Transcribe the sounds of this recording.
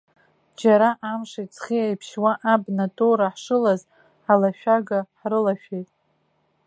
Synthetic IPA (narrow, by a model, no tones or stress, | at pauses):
d͡ʒaɾaʔamʂat͡sʰχiajpʰʃwaʔabnatʼoɾaħʂɨlaz | ħalaʃᶣaɡaħrɨlaʃᶣejtʼ